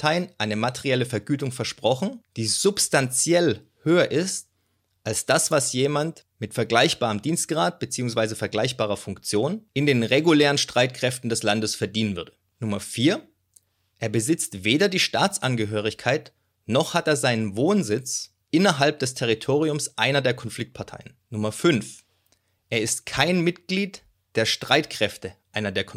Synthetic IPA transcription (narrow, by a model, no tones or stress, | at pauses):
tʰaɪnʔaɪnəmatʰeʁiɛləfɛɐɡyːtʊŋfɛɐʃpʁ̥ɔχn̩d̥iːzʊpstant͡sjɛl | høːɐʔɪst | ʔalsd̥asv̥asjeːmant | mɪtfɛɐɡlaɪçb̥aːʁəmdiːnstɡ̥ʁaːt̚b̥ət͡siːʊŋsv̥aɪzəfɛɐɡlaɪçb̥aːʁ̞ɐfʊŋkt͡sjoːnʔɪndeːnʁeɡuleːʁənʃtʁ̥aɪtkʁ̥ɛftn̩dɛslandəsfɛɐdiːnənvʏɐdə | nʊmɐfiːɐ | ʔeːɐbəzɪt͡stv̥eːdɐdiːʃtaːt͡sʔanɡəɦøːʁ̞ɪçkʰaɪt | nɔχhateːɐzaɪnənvoːnzɪt͡s | ʔɪnɐɦalp̚d̥ɛstʰɛʁ̞itʰoːʁiʊmsʔaɪnɐdeːɐkʰɔnfl̥ɪk̚t̚pʰaɐtʰa̰ɪənnʊmɐfʏnf | ʔeːɐɪstkʰaɪnmɪtɡ̥liːt | d̥eːɐʃtʁ̥aɪtkʁ̥ɛftəʔaɪnɐdeːɐkʰɔ